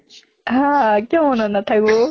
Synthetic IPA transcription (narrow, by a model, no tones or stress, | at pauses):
akʲoːmonãnd̪at̪aiɡo